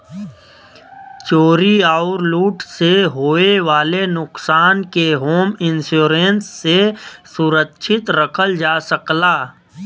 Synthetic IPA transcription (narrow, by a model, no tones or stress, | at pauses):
t͡ʃoːɾiaʊɾluːʈseɦoːeʋaːlenʊqsaːnkeɦoːmɪnsuːɾensːesʊɾəkʃʰɪt̪ɾəkʰəld͡ʒaːsəklaː